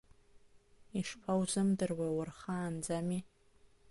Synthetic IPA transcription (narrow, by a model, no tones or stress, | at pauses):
iʂpʰawzɨmdɨrwawarχaːnd͡zami